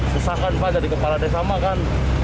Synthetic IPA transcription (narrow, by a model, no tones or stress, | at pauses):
susakanpad͡ʒadikəpaladasamakan